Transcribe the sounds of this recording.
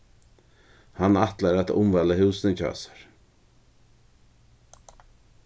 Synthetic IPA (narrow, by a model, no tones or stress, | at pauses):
hanaht̪laɾat̪ʊ̰mvaːləhɪwsnəcʰa̰ːsḁɾ̥